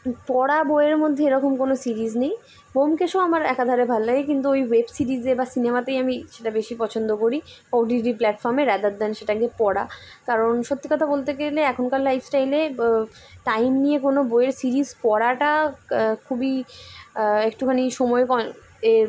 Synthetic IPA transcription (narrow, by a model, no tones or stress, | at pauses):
pɔɽaboeɾmod̪ʱːeeɾɔkomkonosiɾiznej | bomkeʃoamaɾɛkad̪ʱɔɾebʱalolaɡekint̪̬uojwebsiɾizebasinemat̪ejamiʃeʈabeʃipɔt͡ɕʰond̪okoɾikɔʈiʈiplɛʈfɔɾmeɾad̪ad̪ɛnʃeʈaɡepɔɽa̰ | kaɾonʃot̪ːikɔt̪ʰabolt̪eɡeleɛkʰonkallajfʰsʈaele | ʈajmnijekonoboeɾsiɾizpɔɽaʈakʰubi | ek̚ʈukʰaniʃɔmɔekɔ | e